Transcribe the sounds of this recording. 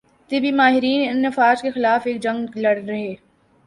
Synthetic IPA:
t̪ɪbimaːɦɪɾiːnɪnːɐfaːd͡ʒkexɪlaːfeːk̚d͡ʒɐ̃ŋɡlɐɽɾɐɦeː

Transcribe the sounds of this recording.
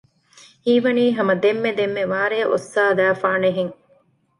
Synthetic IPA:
hiːʋɐniːɦɐmɐd̪emːed̪emːeʋaːɾeːʔo̰sːaːd̪æːfaːneɦeŋ

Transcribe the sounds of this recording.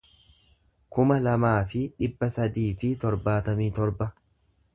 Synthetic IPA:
kʊmɐlɐmaːfɪᶑɪbːɐsɐd̪iːfɪt̪ɔɾbaːt̪ɐmiːt̪ɔɾbɐ

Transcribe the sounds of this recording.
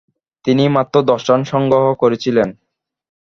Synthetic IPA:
t̪inimat̪ːɾod̪ɔʃanʃɔŋɡɾoɦokoɾet͡ɕʰilen

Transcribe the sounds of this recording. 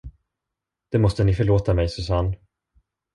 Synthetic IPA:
d̪̥ɛmɔst̪ənɪfœɭoːt̪amɛjsɵsanː

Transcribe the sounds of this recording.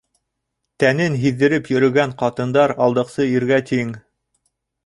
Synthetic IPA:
t̪ænɘnɦiðːɘ̆ɾɘpjɵ̆ɾɵ̆ɡæɴqɑt̪ɤ̆nd̪ɑɾɑlˠd̪ɤ̆qsɤiɾɡæt̪ʰiŋ

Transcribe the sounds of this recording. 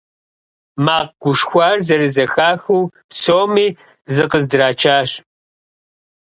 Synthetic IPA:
maːq̚ɡ̥ʷʊʂxʷɑːrzɐɾɨzɐxaːxuwpsoːmiː | zɨqəzdɨɾaːt͡ʃʰaːɕ

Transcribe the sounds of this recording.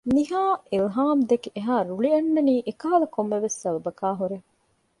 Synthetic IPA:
niɦaːilɦaːmd̪ekeʔeɦaːɾuɭiɐnːɐniːʔekɐɦɐlɐkomːeʋesːɐʋɐbɐkaːɦuɾe

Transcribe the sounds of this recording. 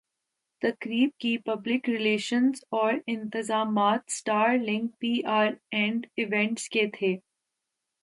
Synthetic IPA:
t̪ɐkɾiːb̚kipɐblɪkɾɪleːʃə̃nzɔːɾɪ̃nt̪ɪzaːmaːt̪sʈaːɾlɪ̃ŋk̚piːʔaːɾɛ̃ːɳɖɪʋɛ̃ɳʈsket̪ʰeː

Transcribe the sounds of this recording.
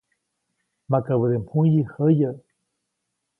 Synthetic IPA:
makaβəd̪emhũjihəjə

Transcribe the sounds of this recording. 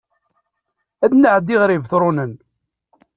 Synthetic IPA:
æd̪nəʕd̪ːiʁɾivθɾˤʊnən

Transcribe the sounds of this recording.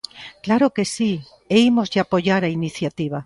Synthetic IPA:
klaɾokesi | eimozʝapoʎaɾainiθjat̪iβ̞a

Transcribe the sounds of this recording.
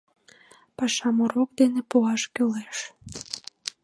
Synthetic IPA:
pɑʃɑmuɾok̚d̪enepuɑʃkyleʃ

